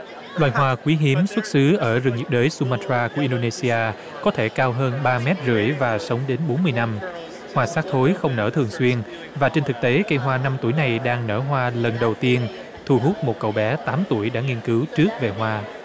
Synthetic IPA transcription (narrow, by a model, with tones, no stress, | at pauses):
lwaː˨jɦwaː˧kwi˨˦ɦi˨˦əmswə˦˥t̚sɨ˨˦ʔəː˧˩zɨ˨˩ŋɲi˨˩p̚ɗəː˨˦jsu˧maː˧tɾaː˧ku˧˩əi˧nɗo˧ne˧si˧ʔaː˧ | kɔ˨˦t̪ʰe˧˩kaː˧wɦəː˧nɓaː˧mɛ˦˥t̚zɨ̰˧˩əjvaː˨˩sə˨˦wŋ͡mɗe˨˦nɓo˨˦nmɨ˧əjna˧m | hwaː˧saː˦˥k̚t̪ʰo˨˦jxə˧wŋ͡mnəː˧˩t̪ʰɨ˨˩əŋswi˧ən | vaː˨˩t͡ɕe˧nt̪ʰɨ˨˩k̚t̪e˨˦kə˧jɦwaː˧na˧mt̪u˧˩əjna˨˩jɗaː˧ŋnə̰ː˧˩ɦwaː˧lə˨˩nɗə˨˩wt̪i˧ən | t̪ʰu˨˩ɦu˦˥t̚mo˨˩t̚kə˨˩wɓɛ˨˦t̪aː˨˦mt̪u˧˩əjɗa̰ː˧˥ŋi˧nkɨ˨˦wt͡ɕɨ˦˥ək̚ve˨˩ɦwaː˧